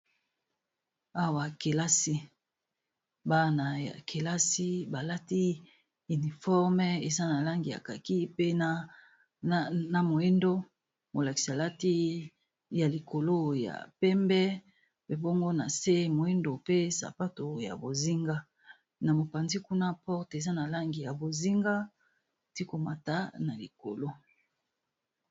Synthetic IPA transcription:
a˦wa˨ke˨la˦si˦ | ba˦na˨ja̰˨kʰe˨la˦si˦ba˨la˦ti˦ | y˨ni˨fɔ˦ʁm˦e˨za˦na˨la˦ŋɡi˨a̰˨ka˨ki˦pe˦na˦ | na˨mo˨e˦ndo˦ | mo˨la˨ki˨si˨a˨la˦ti˦ | ja˨li˨ko˨lo˦ja̰˨pɛ˦mbɛ˦ | pe˦bo˦ŋɡo˦na̰˨se˦mo˨e˦ndo˨pe˦sa̰˨pa˦to˨ja̰˨bo˨zi˦ŋɡa˦ | na˨mo˨pa˨nzi˦ku˦na˦pɔ˦ʁte˨za˦na˨la˦ŋɡi˨ja˨bo˨zi˦ŋɡa˦˨ | ti˦ko˨ma˨ta˦na˨lḭ˨ko̰˨lo˦

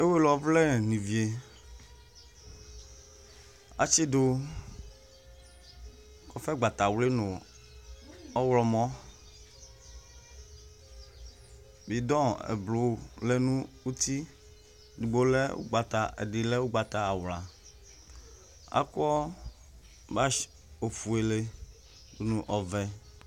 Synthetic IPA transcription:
e˦we˦lɔ˨vlɛ˦˨nĩ˨vi˨e˨ | a̰˨t͡ʃe˦do˦ | kɔ˨fɛ˦ɡ͡ba˨t̪a˨wle˦nõ˨ | ɔ˦wlɔ˨mɔ̃˦ | bi˨d̪ɔ̃˦ḛ˨blo˨˦wle˦nũ˦wu˦t̪i˦ | du˨ɡ͡bo˦le˦wo̰˦ɡ͡ba˨t̪a˨ḛ˨di˨le˦wo˦ɡ͡ba˨t̪a˦a˨wla˨ | a̰˦kɔ˦ | ba˦ | o˨fu˨e˨le˦ | du˨nũ˨ʔɔ˨vɛ˨

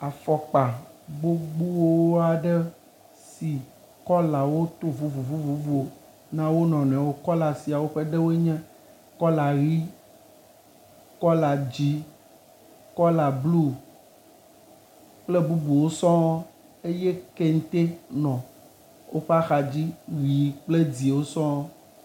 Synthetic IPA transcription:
a˨fɔ˨k͡pa˨ɡ͡bo˦ɡ͡bu˦wo˦wo˦a˨ɖɛ˦ | si˨ | kɔ˦la˨wo˦t̪o˦vu˦vu˨vu˦vu˦vu˦o˨ | nã˦wo˦nɔ̃˨nɛ̃˨wo˦kɔ˦la˨si˨a˨wo˦ɸe˦ɖɛ˦wo˦ɲɛ̃˦ | kɔ˦la˨ɣi˦ | kɔ˦la˨d͡ʑi˦ | kɔ˦la˨blu˦ | k͡plɛ˦bu˦bu˨wo˦sɔ̃˦wɔ˦ | e˦jɛ˦ke˦ŋ̩˦t̪e˦nɔ̃˨ | wo˦ɸa˦xa˨d͡ʑi˦ɣi˨k͡ple˦d͡zi˨wo˦sɔ̃˦ɔ˦

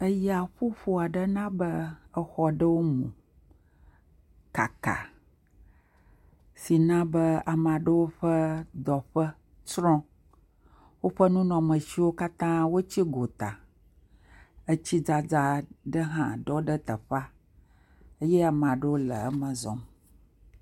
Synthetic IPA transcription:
ə˦ja˨ɸu˦ɸu˦a˨ɖə˦nã˦bə˦ə˦xɔ˦ɖə˦wo˦mṵ̃˨ | ka̰˨ka̰˨ | si˨nã˦bə˦a˨mã˨ɖə˦wo˦ɸə˦d̪ɔ˨ɸə˦ | t͡ʃɾɔ̃˦ | wo˦ɸə˦nũ˦nɔ̃˨mə̃˨ʃi˦wo˦ka˦t̪ã˦wo˦t͡ɕi˦ɡo˨t̪a˨ | ə˦t͡ɕi˦d͡za˦d͡za˦ɖə˦ɦã̰˨ɖɔ˦ɖə˦t̪ə˨ɸa˦ | ə˦jɛ˦a˨m˨ã˨ɖə˦wo˦lə̰˨ə˦mə̃˨zɔ̰̃˨m

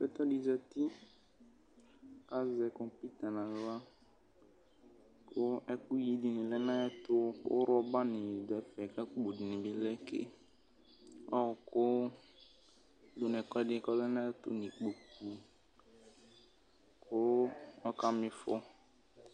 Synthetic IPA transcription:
bɛ˦t̪ɔ˦di˨zɛ˨ti˦ | ka˦zɛ˨kɔ˨mpi˦t̪a˨nã˨a˦ | kʊ˦ɛ˦ku˦ji˦di˨nɪ̃˨lɛ˦nã˦ɛ˦tʊ˦kʊ̰˦ɾɔ˦ba˦nɪ̃˨dɔ˨ɛ˦fɛ˨ka˦k͡po˨di˨nɪ̃˨bɪ˦lɛ˦kɪ̰˦ | ɔ˦˨kʊ˦ | lʊ˦nɛ̃˨kɔ˦dɪ˦kɔ˦lɛ˦nã˦ɛ˦tʊ̰˦nĩ˨k͡po˨ku˨ | kʰʊ˦ɔ˦ka˦mɪ̃˨fɔ˦

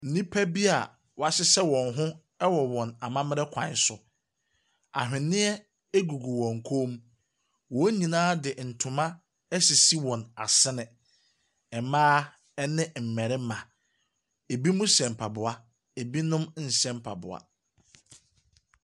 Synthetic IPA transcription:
n̩˨nĩ˦pʰæ˦bi˦a̰˨ | wɔ˨a˨ɕɪ˦sɛ˦wɔ̃˨nɦʊ̃˦ | ɛ˦wɔ˨wɔ̃˨na˨mã˦mɪ̃˦ɾɛ˦kʷʰã̰˨n˦sʊ˨ | a̰˨ɦᶣɪ̃˨nɪ̃˦ɛ˦ | e˦ɡu˨ɡu˨wɔ̃˨ŋ˨kʰo˦m˦ | wɔ˨˦ɲĩ˨nãː˦dɪ˨n̩˨tʰʊ̃˨mã˦ | ɛ˦si˨si˦wɔ̃˨na̰˨sɪ˦nɪ̃˨ | ɛ˨mãː˦ | ɛ˦nɪ̃˦m̩˨mɛ˨ɾɪ˦mã˨ | e˨bi˦mʊ̃˦sɛ̃˨m̩˨pʰa˨bʊ˨a˦ | e˨bi˦nʊ̃˦mn̩˨sɛ̃˦m̩˦˨pʰa̰˨bʊ̰˨a̰˨

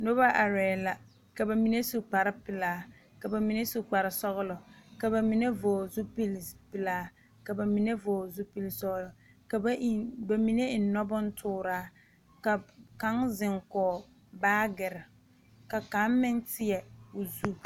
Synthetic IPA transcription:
no˦ba˦ʔa˨ɾɛː˨la˨ | ka˨ba˨mi˨ne˦su˨k͡pa˨ɾɪ˦pɪ˨laː˦ | ka˨ba˨mi˨ne˦su˨k͡pa˨ɾɪ˨sɔ˦ɣʊ˦lɔ˨ka˨ba˨mi˨ne˦voː˨zu˦pi˦lpɪ˨laː˦ | ka˨ba˨mi˨ne˦vɔː˨zʊ˦pi˦lsɔ˦ɣlɔ˨ | ka˨˦ba˨mi˨ne˦ɪ˨nː˦ɔ˦bɔ˦n̩˦tʰʊː˦ɾaː˨˦ | ka˨ka˨˦ŋzɪ˨ŋkɔː˨ | baː˦ɡɪ˨ɾɪ˨ | ka˨ka˨˦mmɪ˦ntɪ˦ɛ˨ʊ˨zu˦

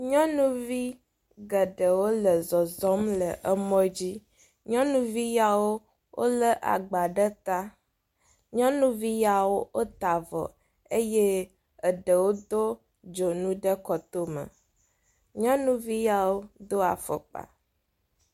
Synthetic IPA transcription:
ɲɔ̃˦nũ˦vi˦ | ɡə˨ɖə˨wo˦lə˨zɔ˨zɔ˦mlə˨ʔə˦mɔ̃˦d͡ʑi˦ | ɲɔ̃˦nũ˦vi˦ja˨wo˦ | wʔo̰˦lə˦ʔa̰˨ɡ͡ba˨ɖə˦t̪a˦ | ɲɔ̃˦nũ˦vi˦ja˨wo˦o˦t̪a˨vɔ̰˨ | e˦je˦ | ə˨ɖə˨wo˦d̪o˦ | d͡ʒo˨nũ˦ɖə˦kɔ˨t̪o˦mə̰˨ | ɲɔ̃˦nũ˦vi˦ja˨wo˦d̪o˦a̰˨fə̰˨k͡pa̰˨

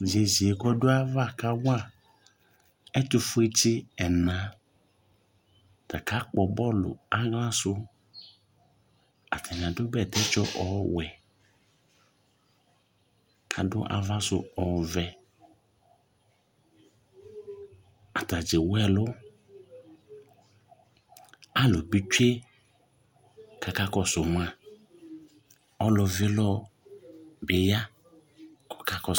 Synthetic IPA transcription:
d͡ʒe˨ze˨kɔ˦dʊ˦a˦va˦˨ka˦wa˦˨ | ɛ˦tʊ˨fʊ˦e˦t͡ʃɪ˦ɛ˨nã˨˦ | ta˨ka˨˦k͡pɔ˨bɔ˦lʊ̰˨a˦ɣlã˦sʊ˦ | a̰˨tʰa˨n˨ã˨dʊ˦bɛ˨tɛ˦t͡ʃɔ˦ʔɔ˨wɛ˨ | kʰa˨dʊ̰˦ʔa̰˨va˦sʊ˦ɔ˨vɛ˧ | a˨ta˨d͡ʒɪ˨wɛ˦˨lʊ˦ | a˦˨lʊ˨bi˦t͡ʃe˦ | ka˧ka˦kɔ˧sʊ˨ma˧ | ɔ˦lʊ˧vɪ˦lɔ˦ | bɪ˨ja˦ | kɔ̥˨ka˦kɔ˧

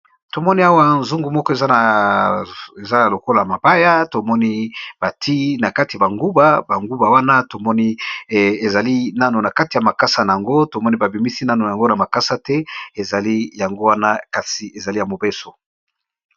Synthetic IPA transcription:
to˨mɔ˦ni˦a˦wa˦nzu˦ŋɡu˨mɔ˦kɔ˦e˨za˦na˨ | e˨za˦na˨lo˨ko˦la˨ja˨ma˨ba˦ja˦to˨mɔ˦ni˦b̥a˨tʰi˦na˨ka˦ti˨a˨ba˨ŋɡu˦ba˨ba˨ŋɡu˦ba˨wa˦na˦to˨mɔ˦ni˦ | e˨za˨li˦na˦no˨na˨ka˦ti˨ja˨ma˨ka˦sa˨na˨ja˨ŋɡo˦to˨mɔ˦ni˦ba˨bi˨mi˦si˦na˦no˨a˨ŋɡo˦na˨ma˨ka˦sa˨tɛ˦e˨za˨li˦ja˨ŋɡo˦wa˦na˦ka˨si˨e˨za˨li˦ja˨mo˨be˦so˨

